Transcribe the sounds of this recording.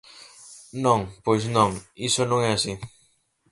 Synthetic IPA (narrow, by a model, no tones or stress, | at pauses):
noŋpojsnoŋisonoŋeasi